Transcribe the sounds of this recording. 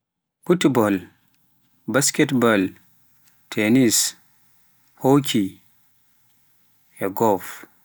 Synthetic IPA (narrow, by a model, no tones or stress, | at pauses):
futbɔl | baskɛtbal | tʰɛnis | hokʰi | ɛɡɔf